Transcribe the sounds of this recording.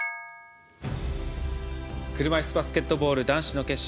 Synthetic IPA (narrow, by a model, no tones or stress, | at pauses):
kɯ̟ɾɯ̟maisɨbasɨ̥kʲe̞t̪ːobo̞ːɾɯ̟d̪ãɰ̃ɕino̞ke̞ɕ